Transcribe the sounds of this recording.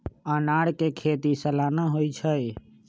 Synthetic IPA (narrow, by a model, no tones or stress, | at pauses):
anaɽkekʰet̪isəlaːnaɦojt͡ʃʰəj